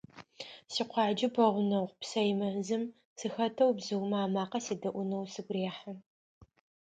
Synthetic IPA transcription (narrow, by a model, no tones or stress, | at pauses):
siːqʷɑːd͡ʒɪpʰɐʁʷʊnɐwpsɐjmɐzɨm | sɨxɐtʰɐwbzɨwmɐaːmaːqɐseːdɐʔʷʊnɐwsɨɡʷʼreːħa